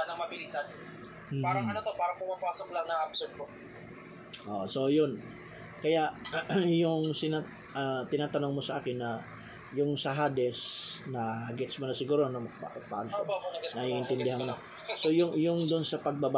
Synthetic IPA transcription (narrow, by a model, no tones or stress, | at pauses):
nɐmɐbɪlisan | m̩ːpaːɾɐɐnot̪opaːɾɐŋpʊmapaːsoklɐŋnɐʔɐb̚sod̪̚ko | ʔo̰ʔoso̞jʊn | kɐjaʔjʊŋsɪna | ʔɐt̪ɪnaːt̪ɐnoŋmosɐʔaːkɪnːɐ | jʊŋsɐɦad̪ɛsnɐhɡɛt̪smonɐsɪɡuːɾoɐnomɐpa̰ʔɐpa̰ːlonɐiʔɪnt̪ɪnd̪ɪhanmona | so̞jʊŋjʊŋd̪ʊnsɐpɐɡ̚bɐba